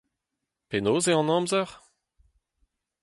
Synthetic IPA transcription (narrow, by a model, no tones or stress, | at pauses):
penoːzeɑ̃nɑ̃ːmzœʁ